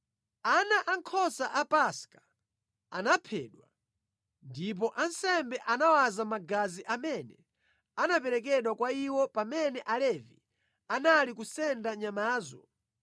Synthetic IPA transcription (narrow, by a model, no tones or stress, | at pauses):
anaʔaŋkʰɔsaʔapaskḁ | anapʰɛːɗwa | ndip̬ɔʔansɛmbɛʔanawazamaɡaziʔamɛnɛ | anap̬ɛɾɛk̬ɛɗwakwaiwɔpamɛnɛʔalɛvḭ | analikusɛndaɲamaːzɔ̰